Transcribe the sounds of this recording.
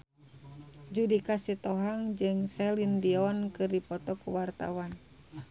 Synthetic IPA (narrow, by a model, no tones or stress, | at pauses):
d͡ʒudikasit̪ɔɦaŋd͡ʒɨŋsɛlindiɔnkɨrdipɔt̪ɔkuwart̪a̰wan